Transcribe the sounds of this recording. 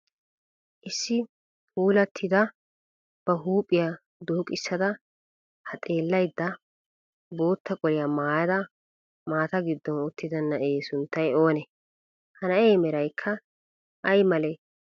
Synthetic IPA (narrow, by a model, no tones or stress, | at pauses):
ʔɪsːɪ | huːlɐt̪ʰːɪd̪ɐ | b̥ɐɦuːpʼːɪjɐ | d̪oːkʼɪsːɐd̪ɐ | hɐt̪ʼe̞ːlːɐjd̪ːɐ | bo̞ːt̪ːɐkʼɔɾɪjɐmaːjɐd̪ɐ | maːt̪ɐɡɪd̪ːɔnʊt̪ːɪd̪ɐnːɐeːsʊnt̪ːɐjo̞ːnɛ | hɐnɐeːmɛɾɐjkʰːɐ | ʔɐjmɐlɛ